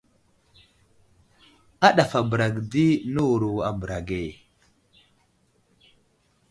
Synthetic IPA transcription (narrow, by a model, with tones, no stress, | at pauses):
a˦ɗa˨fa˨bə˨ɾa˨ɡdi˦nu˦wu˨ɾu˨a˨bə˨ɾa˨ɡe˨